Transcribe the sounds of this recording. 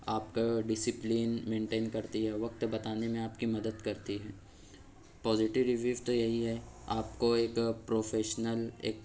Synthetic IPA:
aːpkaɖɪsɪpliːnmẽːɳʈeːnkɐɾt̪iɦɛʋɐk̚t̪bɐt̪aːnemẽaːpkimɐd̪əd̪kɐɾt̪iɦɛː | pɔːzɪʈɪʋɾɪʋiːʋt̪ojɐɦiɦɛ | aːpkoeːkpɾoːfeːʃnəlḛːk

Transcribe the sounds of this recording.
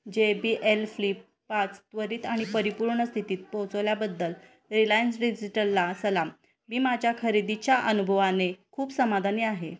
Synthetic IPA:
d͡ʑebiʔelflipːat͡st̪ʋəɾiːt̪aɽ̃ipəɾipuɾɳəst̪ʰit̪iːt̪̚pot͡səʋljabəd̪ːəl | ɾilajənsɖid͡ʑiʈəlːasəlam | miːmad͡ʑʱjakʰəɾid̪it͡ɕjaʔənubʱəʋanekʰuːpsəmad̪ʱaniaɦe

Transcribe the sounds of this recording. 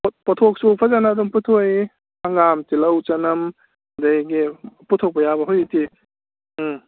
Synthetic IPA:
pɔtʰok̚supʰazanaːdumputʰoj | haŋamtilɐwt͡ʃanɐm | dajɡiputʰok̚pɐjabɐɦojti

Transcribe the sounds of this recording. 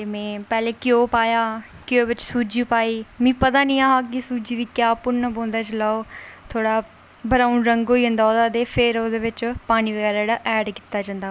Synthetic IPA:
t̪eːmɛ̃ːpɛːleːkɪjoːpaːjaːkjoːbɪt͡ʃsuːd͡ʒiːpaːiːmĩːpət̪aːnĩːaːɦaːk̬ɪsuːd͡ʒiːd̪iːkjaːpʊɳnːəbõːnd̪aːt͡ʃlaːoːt̪ʰoːɽaː | bəɾaːunɾəŋɡɦoːiːə̃nd̪aːoːd̪aːd̪eːpʰɪɾoːd̪eːʋɪt͡ʃpaːniːʋəɡɛːɾaɽaːʔɛːɖkɪ̥t̪ːaːd͡ʒãːnd̪aː

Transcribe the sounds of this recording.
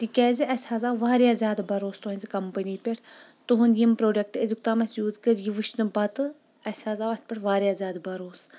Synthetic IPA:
t̪ikʲɛːziʔɐsʲhaːzaːʋaːɾjaːzʲjaːd̪bɐɾoːst̪uɦɐnʲzʲikɐmpəniːpʲɐʈʰ | t̪uɦunʲjimpɾoːɖɐk̚ʈɐzik̚t̪aːmɐsjuːd̪kəɾjiʋɨʃnɨbɐt̪ɨ | ɐsʲaːzaːʋɐt̪̚ʰpʲɐʈʰʋaːɾjaːzʲjaːd̪bɐɾoːs

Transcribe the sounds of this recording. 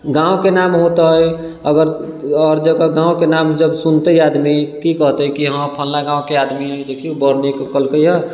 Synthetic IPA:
ɡãõkenamɦot̪aɦj | əɡəɾ | ɔːɾd͡ʒəkaɡãːõkenamd͡ʒəbsunt̪əiad̪mikikəɦt̪əikiɦãpʰəllaɡãːõkead̪miɦəjd̪ekʰiobəɾnekekəlkəjɛ

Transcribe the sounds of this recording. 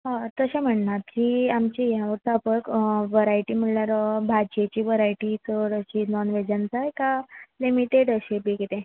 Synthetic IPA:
ɦt̪əɕam̤əɳnat̪kiamt͡ɕijãʋəɾt̪apəkʋəɾajʈim̤əɽljaɾəbʱad͡ʑet͡ɕiːʋəɾajʈit͡səɽəɕinɔnʋed͡ʑant͡sajkalimiʈeɽəɕebikit̪ẽ

